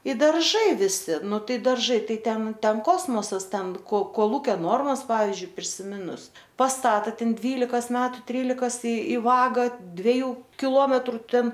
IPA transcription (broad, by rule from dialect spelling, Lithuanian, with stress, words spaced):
ɪ dɐrˈʒɐɪ ʋʲɪˈsʲɪ ˈnʊ ˈtɐɪ dɐrˈʒɐɪ ˈtɐɪ ˈtʲɛn ˈtʲɛn ˈkoːsmoːsɐs ˈtʲɛn koː koːˈlˠuːkʲoː ˈnoːrmɐs ˈpɑːʋʲɪzʲd͡ʒʲʊɪ pʲrʲɪsʲɪˈmʲɪnʊs pɐsˈtɑːtɐ ˈtʲɛn ˈdʲʋʲiːlʲɪkɐs ˈmʲæːtʊ ˈtʲrʲiːlʲɪkɐs ɪ ɪ ˈʋɑːɡɐ dʲʋʲɛˈjuː kʲɪˈlˠoːmʲɛtrʊ ˈtʲɛn